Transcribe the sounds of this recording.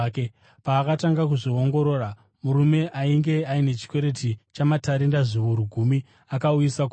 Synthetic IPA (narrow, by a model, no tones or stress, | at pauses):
k | paːkataŋɡakuʐio̞ŋɡo̞ɾo̞ːra | muɾume̞ʔaiŋɡe̞aine̞t͡ʃi̥kwe̞ɾe̞tit͡ʃamataɾindaʐiʋuɾuɡʱumi | akaujisak